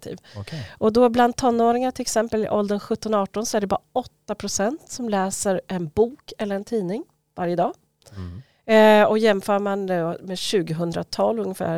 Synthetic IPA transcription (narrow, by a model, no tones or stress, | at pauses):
t̪ʰḭːvʔɔd̪ɔbland̪̚t̪ʰːɔnːoːɾɪŋaʈʰɪlɛksɛmpəlɪ̰ʔɔld̪ənɧɵt̪ːɔnɔɑːʈɔnsɔæɖɛbɑːɾaʔɔt̪ːapʰɾʊsɛnt̪sɔmlɛːsəɾʔɛnbuːkɛlːəɾɛnt̪ʰiːnɪŋ | vaɾjəd̪ɑː | ɔjɛmːfœːɾmand̪ɛɔmeːɕʉ̟ːɡəɦɵnd̪ɾa̰t̪ʰɑːlːɵŋːəfæ̰ː